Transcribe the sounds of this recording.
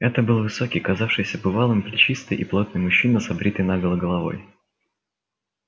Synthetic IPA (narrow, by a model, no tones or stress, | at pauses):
ɛt̪əbɨlˠvɨso̞kʲɪjkɐzafʂɨjsʲəbɨvalˠɨmpɾʲɪt͡ɕist̪ɨjʔiplˠot̪̚nɨjmʊɕːinəsɐbɾʲit̪əjnaɡəlˠəɡəlˠɐvo̞̰j